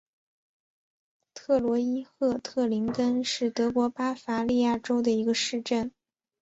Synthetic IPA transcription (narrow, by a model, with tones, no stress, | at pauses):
t̪ʰɤ˥˩lwɔ˧˥i˥xɤ˥˧t̪ʰɤ˥˩li˧˥ŋkə˥nʂɻ̩˥˩t̪ɤ˧˥kwɔ˧˥pa˥fa˧˥li˥˧ja˥˩ʈ͡ʂo˥ʊd̪ə˨i˧˥ɡə˧ʂɻ̩˥˧ʈ͡ʂə˥˩n